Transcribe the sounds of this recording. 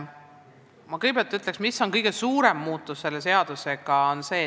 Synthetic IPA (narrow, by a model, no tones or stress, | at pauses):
mɑkɤjɡ̥̚bpeɑlt̪yt̪le̞ksmisːo̞nkɤjɡe̞suːɾe̞mːuːt̪ːˑusːe̞lːe̞se̞ɑd̪̥use̞ɡ̥ɑonse̞ː